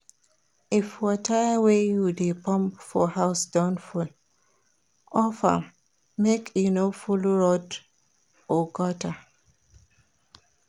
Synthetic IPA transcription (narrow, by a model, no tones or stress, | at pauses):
ifwɔtʰawejudepʰɔ̃mpfɔhaʊsdɔ̃nful | ɔfa̰ | mekʰjunofulɹɔd | ɔɡɔta